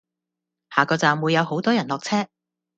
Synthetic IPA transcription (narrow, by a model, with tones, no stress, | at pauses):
haː˨kɔː˧t͡saː˨mwu˨˧jːɐ˨˧who˨˥wt̪ɔː˥jɐ˨˩nlɔː˨k̚t͡sʰɛː˥